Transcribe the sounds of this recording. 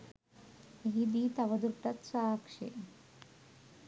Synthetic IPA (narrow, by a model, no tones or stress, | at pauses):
ɦid̪iːt̪aʋəd̪uɾʈat̪sakʂḛ